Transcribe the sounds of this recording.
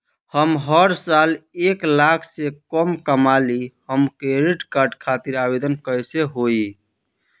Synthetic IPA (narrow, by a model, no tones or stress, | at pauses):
həmɦəɾsaleklakʰsekəmkəmalihəmkeɾiʈkaɾɖkʰat̪iɾabed̪ənkəjseɦoi